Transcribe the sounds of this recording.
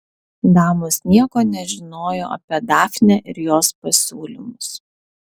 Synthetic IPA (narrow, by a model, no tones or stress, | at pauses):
d̪ɑːmʊsnʲiɛkoːnʲɛʒʲɪnoːjo̰ːɐ̰pʲiɛd̪ɑːfʲnʲɛʔɪɾjoːspɐsʲuːlʲɪmʊs